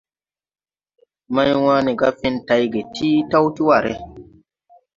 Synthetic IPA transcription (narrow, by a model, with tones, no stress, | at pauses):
ma˦jwãː˦ni˨ɡa˦fi˦nta˨jɡe˨tʰi˦ta˦wti˦wa˨ɾḛ˦